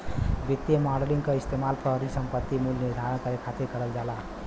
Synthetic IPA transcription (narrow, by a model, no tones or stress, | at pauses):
bit̪ːjemaɖeliŋkʌist̪emalpɾəɦəɾisəmpət̪ːimulniɾd̪ʱaɾənkəɾekʰat̪ekəɾəld͡ʒala